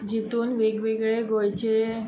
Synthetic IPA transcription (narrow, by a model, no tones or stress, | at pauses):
d͡ʑit̪uːnʋeɡʋeɡɭeɡojt͡ɕe